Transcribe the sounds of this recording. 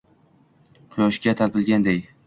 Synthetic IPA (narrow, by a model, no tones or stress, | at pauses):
qʰʊjɒʃkʲat̪ʰalpɪlɡʲand̪ej